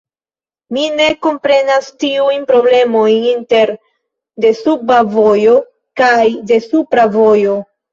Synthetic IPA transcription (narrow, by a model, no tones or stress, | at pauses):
mine̞ko̞mpɾe̞nastiujnpɾo̞ble̞mo̞jninte̞ɾ | de̞subavo̞jo̞ | kajde̞supɾavo̞jo̞